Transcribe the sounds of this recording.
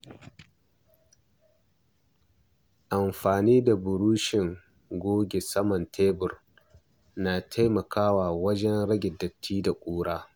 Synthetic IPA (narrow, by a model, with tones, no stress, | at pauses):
ʔa˨mɸaː˨niː˦da˨bʊ˨ɾuː˦ʃɪ˨ŋ | ɡʷoː˦ɡʲe˨sɐ˦mɐ˨ntʰeː˦bʊ˨r | naː˨tʰa˦jmɐ˨kʰaː˦waː˨wɐ˦d͡ʒɛ˦nɽɐ˦ɡʲɪ˨dːɐ˨tʰːiː˦da˨kʷʼuː˦ɽaː˦